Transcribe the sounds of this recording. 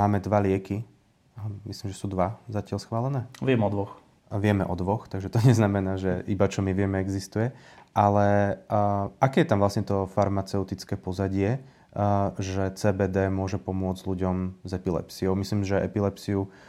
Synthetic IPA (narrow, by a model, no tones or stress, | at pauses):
aːmɛd̪ʋalɪɛki | misliːmʒɛsuːd̪ʋazacɪalsxʋaːlɛnɛːʋɪɛmɔd̪ʋɔx | ʋɪɛmɛ̰ʔɔd̪ʋɔxt̪aɡʒɛt̪ɔɲɛznamɛnaːʒɛibat͡ʃɔmiʋɪɛmɛɛɡzist̪ujɛʔalɛ | akɛːjɛt̪amʋlasɲɛt̪ɔfaɾmat͡sɛʊt̪it͡skɛːpɔzaɟɪɛ | ʒɛt͡sɛːbɛːd̪ɛːmʊɔʒɛpɔmʊɔd͡zɟʎuɟɔmzɛpilɛ̰psiɔʊmisliːmʒɛʔɛ̰pilɛpsiu